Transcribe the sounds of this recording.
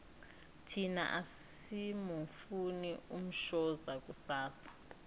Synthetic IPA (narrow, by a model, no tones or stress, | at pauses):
tʰina̰ʔas | imɔfunium̩ʃɔzak̬ʼusaːsḁ